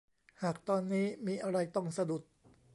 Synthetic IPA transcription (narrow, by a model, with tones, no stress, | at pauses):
haː˨˩k̚t̪ɔː˧nːiː˦˥miː˧ʔa˧ɾa˧jt̪ɔ˥˩ŋsa˧du˨˩t̪̚